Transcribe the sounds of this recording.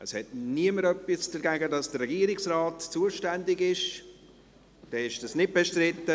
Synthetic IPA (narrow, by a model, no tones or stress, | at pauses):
əshɛt̚niəməɾœpːɪsd̥əɾɡæɡədɑsd̥ərːɛɡiəɾɪksraːtt͡suəʃtændɪɡɪʃ | d̥ɛɪʃd̥ɑsnɪd̚beʃtɾɪtːə